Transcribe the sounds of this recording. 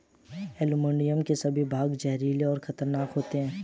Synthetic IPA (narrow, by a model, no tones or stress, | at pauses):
eːlumõːɳɖijəmkesɐbʱibʱaːɡd͡ʒɛɦɾiːleɔːɾxɐt̪əɾnaːkɦoːt̪eɦɛ̃ː